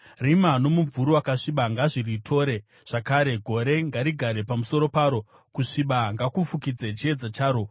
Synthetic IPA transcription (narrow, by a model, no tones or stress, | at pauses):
rimanomuvuɾuwakaʂiɓaŋɡaʐiritʰo̞ːɾe̞ | ʐ̥akaːɾe̞ɡʱo̞ɾe̞ŋɡaɾiɡʱaɾe̞pamuso̞ɾo̞paːɾo̞ | kuʂiɓaŋɡakufukid͡zet͡ʃie̞d͡zat͡ʃaːɾo̞